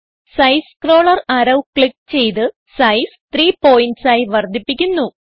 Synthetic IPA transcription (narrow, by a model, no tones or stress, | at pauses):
sɐjskro̞ːɭɐrɐɾɐwkɭik̚ːt͡ɕe̞jt̪̬ɨ | sɐjst̪riːpo̞ːjintsaːjiʋɐrd̪ʱipːikʲːunːu